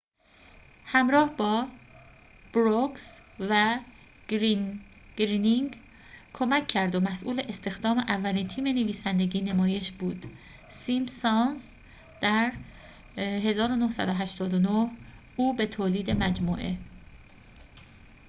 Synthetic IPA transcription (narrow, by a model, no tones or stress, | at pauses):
hæmɾɒːhbɒː | b̥ɾoksvæ | ɾɡɾiːniŋɡ | kʰomæcʰːæɾd̪o̞mæsʔuːle̞ʔest̪e̞xd̪ɒːme̞ʔævːæliːnt̪ʰiːme̞neviːsænd̪e̞ɟiːnemɒːje̞ʃbuːd̪̥ | simsɑnz | d̪̥æɾ | ɦe̞zɒːɾo̞nohsæ̰d̪oɦæʃt̪ɒːd̪onoh | uːbe̞t̪ʰoːliːd̪e̞mæd͡ʒmuːʔe̞